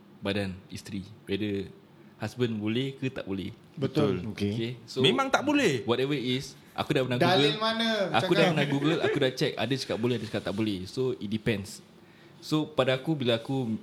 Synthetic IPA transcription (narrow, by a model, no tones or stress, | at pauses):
badanist̪ɾipadə | hasbənbolɛhkɨt̪a̰ʔbolɛ̰h | bət̪ʊlokeokesomẽmãŋt̪aʔbolɛhwɔtɛvəis | ʔa̰kudapənaɡduaɡəlmanaakudapənaɡuɡəlʔa̰kudaʔt͡ʃɛka̰dət͡ʃə̥kap̚bolɛhadət͡ʃə̥kat̪aʔbolɛhsoit̪̚dipɛ̃ns | sopadaakubilaːku